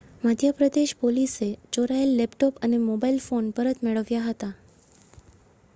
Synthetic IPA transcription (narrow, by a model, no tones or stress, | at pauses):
mad̪ʱjəpɾəd̪eʃpoliset͡ʃoɾaelːepʈopənemobailfonpəɾət̪meɭəʋjaɦət̪a